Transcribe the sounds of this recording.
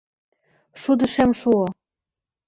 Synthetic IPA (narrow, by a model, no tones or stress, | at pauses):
ʃud̪ə̆ʃemʃuo